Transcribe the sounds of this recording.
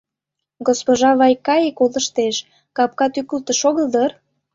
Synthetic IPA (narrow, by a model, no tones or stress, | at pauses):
ɡospoʒɑβɑjkɑjekolə̆ʃt̪eʃ | kɑp̚kɑt̪ykult̪əʃoɣəld̪ər